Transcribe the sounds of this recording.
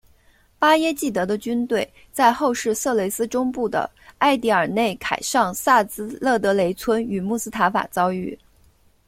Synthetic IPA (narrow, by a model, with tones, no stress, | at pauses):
pa˥jɛ˥t͡ɕi˥˩t̪ɤ˧˥d̪ə˧t͡ɕy˥nt̪we˥˩ɪ | t͡sa˥˧ɪxo˥˧ʊʂɻ̩˥˧sɤ˥˩le˧˥ɪsɹ̩˥ʈ͡ʂʊ˥ŋpu˥˩d̪ə̰˩ | a˥˧ɪt̪i˥˩ə˞˨˩ne˥˩ɪkʰa˨˩ɪʂɑ˥˧ŋsa˥˩t͡sɹ̩˥lɤ˥˩t̪ɤ˧˥le˧˥ɪt͡sʰwə˥ny˨˩mu˥˩sɹ̩˥t̪ʰa˧˥nfa̰˨˩t͡sɑ˥ʊy˥˩